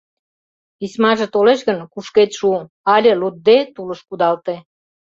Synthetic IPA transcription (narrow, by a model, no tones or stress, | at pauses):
ismɑʒet̪oleʃɣənkuʃket̪ʃu | ɑlʲelud̪̚d̪ːet̪uləʃkud̪ɑlt̪e